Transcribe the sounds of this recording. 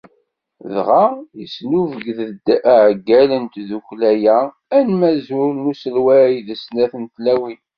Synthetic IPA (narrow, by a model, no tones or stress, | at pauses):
ðʁajəsnuvəɡðdʕəɡːælənt̪ðuklæjæ | ænmæzʊɾnusəlwæiðəsnæθənt̪læwin